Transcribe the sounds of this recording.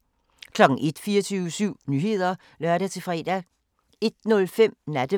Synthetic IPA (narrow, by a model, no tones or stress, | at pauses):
kʰlɒ̽ɡ̥ŋ̩ʔe̝d̥fiːɐt͡sʰyːʊəsyʊ̰nyːhe̝ð̞̰ˠɐ | lɶɐɾ̥æt͡sʰe̝fʁɛ̰ːd̥æ | e̝d̥nɔ̽lfem̰næd̥ə